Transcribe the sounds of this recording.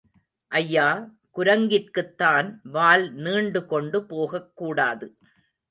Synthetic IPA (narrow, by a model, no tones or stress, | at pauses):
ʔɐjːaː | kʊɾɐŋɡɪrkɯt̪ːaːnʋaːlniːɳɖɯkɔɳɖɯpoːɣɐkːuːɽaːðɯ